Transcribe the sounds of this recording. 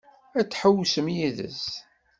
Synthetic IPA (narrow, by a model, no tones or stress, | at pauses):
æt͡sːħəwːsəmjiðə̰z